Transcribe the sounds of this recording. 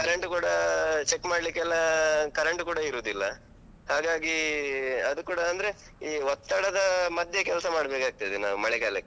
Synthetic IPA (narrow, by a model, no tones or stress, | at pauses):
kɐɾeɳʈkuːɽɐt͡ʃekːmaːɽlikːɛlːɐkɐɾeɳʈkuːɽɐiɾoːd̪ilːɐ | haːɡaːɡi | ɐd̪ukuːɽɐːnd̪ɐɾe | iːɦɔt̪ːɐɽɐd̪ɐmɐd̪ʱjekɛlsɐmaːɽbeːkaːɡ̚t̪ajd̪ina̰ːʋumɐɭɛɡaːlekːe